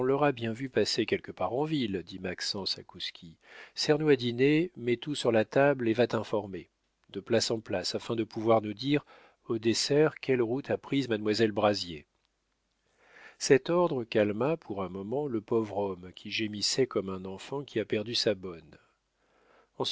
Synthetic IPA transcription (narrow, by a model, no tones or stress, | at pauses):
ɔ̃lɔʁabjɛ̃vypasekʲɛlkəpaʁɑ̃vild̪imaksɑ̃sakuskʲʰisɛʁnwad̪inemɛt̪usyʁlat̪ablevat̪ɛ̃fɔʁme | d̪̥əplasɑ̃plasafɛ̃d̪əpuvwaʁnud̪iʁ | od̪esɛʁkʲɛlʁut̪ʰapχizmad̪mwazɛlbʁazje | sɛt̪ɔʁd̪ʁəkalmapʰuʁɛ̃mɔmɑ̃ləpɔvʁɔmkʲʰiʒemisɛkɔmɛ̃nɑ̃fɑ̃kʲʰiapɛʁd̪ysabɔn | ɑ̃s